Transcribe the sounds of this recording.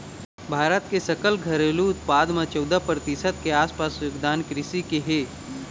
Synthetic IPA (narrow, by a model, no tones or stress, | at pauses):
bʱaːɾət̪kesɐkəlɡʱɐɾeːluʊt̪paːd̪mãt͡ʃɔʊd̪apɾət̪ɪsət̪̚keaːspaːsjoɡd̪aːnkɾɪsikeɦeː